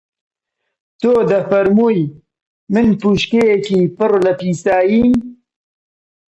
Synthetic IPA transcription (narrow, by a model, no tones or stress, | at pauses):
t̪oːd̪ɐfɐɾmuj | mɨnpuʃkeekiːpɨɾlɐpiːsaːjiːm